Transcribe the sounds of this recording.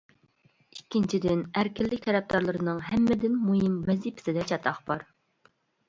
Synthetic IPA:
ikʲːint͡ʃʰid̪ɪnæɾkʲʰɪlːɪkʲt̪ʰɛɾɛp̚d̪ɑɾlˠɨɾɨnɨŋɦɛmːɪd̪ɪnmuɦɪmmɛzipʰɪ̥sɪd̪ɛt͡ʃʰɑt̪ʰɑχb̥ɑɾ

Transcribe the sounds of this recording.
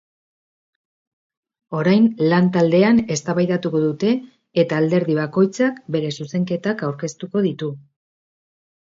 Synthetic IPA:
o̞ɾajnlant̪ald̪e̞ane̞st̪aβajðat̪uko̞ðut̪e̞ː | t̪aːld̪e̞ɾðiβ̞ako̞jt͡sakbe̞ɾe̞suse̞ŋke̞t̪akawɾke̞st̪uko̞ðit̪u

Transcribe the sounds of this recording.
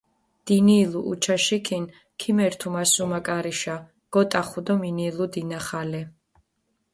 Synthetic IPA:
d̪̥iniːluʔut͡ʃʰaʃikʰin | kʰimɛɾt̪ʰumasumakʼaɾiʃa | ɡ̥ɔt̪ʼaχud̪ɔminilud̪inaχalɛ

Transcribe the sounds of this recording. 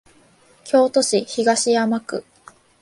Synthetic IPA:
kʲo̞ːt̪o̞ɕiçiɡaɕijamakɯ̟

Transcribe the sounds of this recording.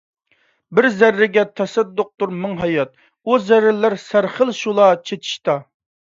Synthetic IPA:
bɪɾzæɾːɪɡʲɛt̪ʰɛsɛd̪ːoq̚t̪uɾmɨŋɦɑjɑt̪̚ | uzæɾlæɾsæɾχəlˠʃulˠɑt͡ʃʰet̪ʰi̥ʃt̪ɑ

